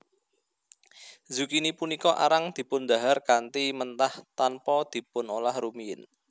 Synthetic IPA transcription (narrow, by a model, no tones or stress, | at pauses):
zṳkinipunikɔʔa̰ɾaŋd̪̥i̤pʊnd̪a̤ɦarkant̪imənt̪aht̪anpɔd̪̥i̤pʊnolahrumiɪ̰n